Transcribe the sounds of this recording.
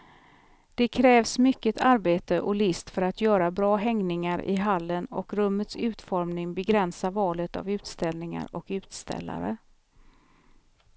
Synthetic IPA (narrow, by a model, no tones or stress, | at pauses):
d̪̥ɛkʰɾɛːvsmʏkːət̪ʰaɾbeːt̪əʔɔlɪst̪fœɾat̪jœːɾabɾɑːɦɛŋnɪŋaɾʔɪ̰ɦalːənɔkɾɵmːət̪sʉ̟ːt̪fɔɾmnɪŋbɛɡɾɛnsavɑːlət̪a̰vʉ̟ːt̪st̪ɛlnɪŋa̰ɾɔkʉ̟ːt̪st̪ɛ̰lːa̰ɾə̰